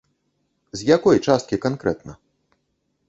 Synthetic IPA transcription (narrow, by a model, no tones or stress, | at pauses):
zʲjakɔjt͡ʂast̪̚kʲikankɾɛ̰t̪nɐ